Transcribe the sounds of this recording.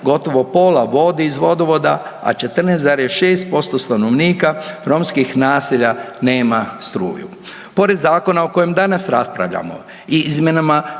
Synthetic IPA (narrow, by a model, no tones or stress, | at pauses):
ɡo̞t̪o̞ʋo̞po̞laʋo̞d̪iːzʋo̞d̪oʋo̞d̪aa̰t͡ʃe̞t̪r̩neːst̪zaɾijeʃe̞ːst̪̚po̞st̪o̞st̪ano̞ʋniːkaɾo̞mskixnaːsiʎa | ne̞ːmast̪ɾṵːjṵ | po̞ɾe̞d̪zaːko̞nao̞ko̞jemd̪anasɾaspɾa̰ʋʎa̰mo̞̰ | izmʲjenama